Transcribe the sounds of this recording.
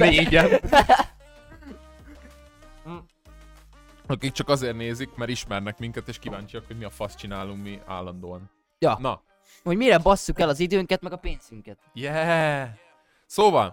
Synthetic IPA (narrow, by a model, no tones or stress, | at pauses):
neːɟɛn | ɒkik̚t͡ʃɒkɒzeːrneːzikmɛɾiʃmɛrnɛkmiŋkɛt̪eːʃkivaːɲt͡ʃijɒkhoɟmiɒfɒst͡ʃinaːluŋkmia̰ːlːɒnd̪oːɒn | jɒnɒ | ho̞ɟmiɾɛbɒsːukɛlɒzid̪øːŋkɛt̪mɛɡɒpeːnz̥yŋkɛt̪jɛ | soːvɒl